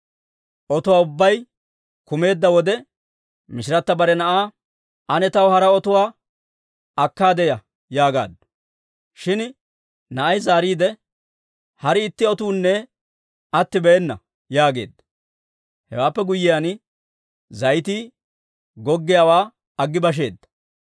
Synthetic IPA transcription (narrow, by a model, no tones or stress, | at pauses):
ʔɔt̪ʊwaːʊbːɐj | kʊme̞ːd̪ːɐwɔd̪ɛ | mɪʃɪɾɐt̪ːɐbɐɾɛnɐʔaː | ʔɐnɛt̪ɐwhɐɾɐɔt̪ʊwaː | ɐkːaːd̪ɛjɐ | jaːɡa̰ːd̪ | ʃɪn | nɐʔɐjzaːɾiːd̪ɛ | hɐɾɪɪt̪ːɪɔt̪uːnːɛ | ɐt̪ːɪbɛɛnːɐ̰ | jaːɡe̞̰ːd̪ːɐ | hɛ̰waːpːɛɡʊjːɪjaːn | zɐjt̪i | ɡɔɡːɪjawaː | ɐɡːɪbɐʃ̬e̞ːd̪ːɐ̥